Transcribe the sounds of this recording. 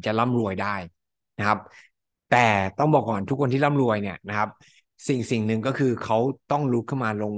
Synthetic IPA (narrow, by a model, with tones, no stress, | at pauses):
t͡ɕa˨˩la˥˩mɾu˧əjdaː˥˩j | na˦˥kʰa˦˥p̚ | t̪ɛː˨˩t̪ɔ˥˩ŋbɔː˨˩kːɔː˨˩nt̪ʰu˦˥kʰo˧nt̪ʰiː˥˩la˥˩mɾu˧əjni˥˩ɐna˦˥kʰa˦˥p̚ | si˨˩ŋsi˨˩ŋnɯ˨ŋkɔː˥˩kʰɯː˧kʰa˦˥wt̪ɔ˥˩ŋlu˦˥kʰɯ˥˩wmaː˧lo˧ŋ